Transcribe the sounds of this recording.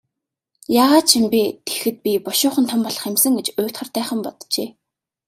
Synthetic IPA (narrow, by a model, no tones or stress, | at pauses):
jaːʁaːt̪̚t͡ɕʰimpʲit̪e̥xɘ̆t̪̚pʲipɔʃʊːχə̆nt̪ʰɔmpɔɮɞ̆χemsə̆ŋɡet͡ɕʊːt̪χə̆rt̪æːχə̆mpɔt̪t͡ɕeː